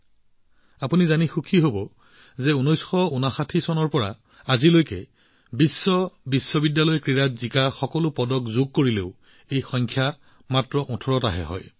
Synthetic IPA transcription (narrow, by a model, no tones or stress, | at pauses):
apunizanixukʰiɦobɔ | zɛunɔjsxɔunaxatʰisɔnɔɹpɔɹa̰ | azilojkɛ̰ | bisːɔbisːɔbidjalɔjkɹiɹatzikaxɔkɔlʊpɔdɔkzʊɡ̚koɹileʊ | ejxɔŋkʰja | matɹɔʔɔtʰɔɹɔtaɦɛ̰ɦɔ̰j